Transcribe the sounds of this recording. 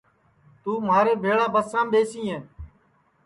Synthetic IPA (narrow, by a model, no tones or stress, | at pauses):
t̪uːmaːɾeːbʱeːɭaːbəsãːmɓeːsĩːɦẽː